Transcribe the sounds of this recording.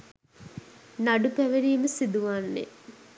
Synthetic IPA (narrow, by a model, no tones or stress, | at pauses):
naɖupæʋeɾiːməsid̪uʋanːḛ